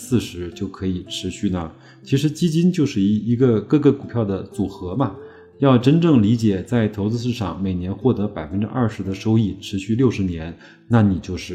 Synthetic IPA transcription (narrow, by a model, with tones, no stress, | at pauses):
sɹ̩˥˩ʂɻ̩˧˥t͡ɕjo˥˩ʊkʰɤ˧˥i˨˩ʈ͡ʂʰɻ̩˧˥ɕy˥˩nə˩ | t͡ɕʰi˧˥ʂɻ̩˧˥t͡ɕi˥t͡ɕi˥nt͡ɕjo˥˧ʊʂɻ̩˥˩i˧˥i˧˥ɡə˧kɤ˥˩ɡə˧˩ku˨˩pʰjɑ˥˩ʊd̪ə˩t͡su˨˩xɤ˧˥mɐ˧ | jɑ˥˩ʊʈ͡ʂə˥nʈ͡ʂɤ˥˩ŋli˧˥t͡ɕjɛ˨˩t͡sa˥˩ɪt̪ʰo˧˥ʊt͡sɹ̩˥˧ʂɻ̩˥˧ʂɑ̰˥˩ŋme˨˩ɪnjɛ˧˥nxwɔ˥˩t̪ɤ˧˥pa˨˩ɪfə˥nʈ͡ʂɻ̩˥ʔɐ̰˥˩ʂɻ̩˧˥d̪ə˧ʂo˥ʊi˥˩ʈ͡ʂʰɻ̩˧˥ɕy˥˧ljo˥˩ʊʂɻ̩˧˥njɛ˧˥n | na˥˩ni˨˩t͡ɕjo˥˧ʊʂɻ̩˥˩